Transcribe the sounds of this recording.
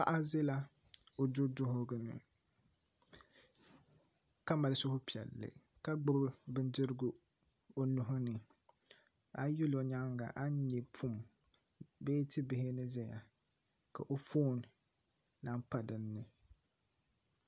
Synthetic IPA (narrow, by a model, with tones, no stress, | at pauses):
pa̰˦ʔa˦ze˦la˦ | o˨dʊ˦dʊ˦ɦʊ˦ɡɨ˨nɨ̰˨ | ka˦ma˨lɪ˦sʊ˦hʊ˦pi˨ɛ̰˨lːɨ̰˨ | ka˦ɡ͡bʊ˦bbɨ˦ndɨ˦ɾɡʊ˨ | o˦nʊ˨ɦʊ˦nɨ˨ | a˦jʊ˦lo˨ɲa˦ŋɡa̰˨ʔa˦ɲɛ˨pʰu˦˨m | beː˦tɪ˦bɪ˨hɪ˦nɨ˦zɛ˦ja̰˨ | ka˨ʔo˦foː˦˨n˨ | na˦mpa˨dɨ˨nːɨ˨